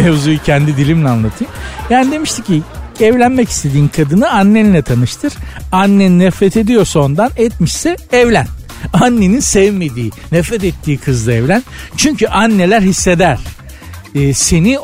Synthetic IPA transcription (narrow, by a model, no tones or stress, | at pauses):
mevzujucʰɛnd̪id̪ilʲimlʲɛanlˠat̪ʰɯjmjaːnid̪e̞miʃt̪ʰicːiɛvlʲænmɛci̥st̪ʰe̞d̪iːnkʰad̪ɯnɯanːenʲilʲɛt̪ʰanɯʃt̪ʰɯɾ̥anːeninɛfɾɛt̪ʰe̞d̪ijo̞ɾsond̪anɛt̪̚miʃsɛɛvlʲæn | anːeninsɛvme̞d̪iːnɛfɾɛt̪̬ɛt̪ʰːiːkʰɯzd̪ˠaɛvlʲænt͡ʃʰyɲcʰyʔanːe̞lʲæɾhisːe̞d̪æɾ̝̥ː | se̞ni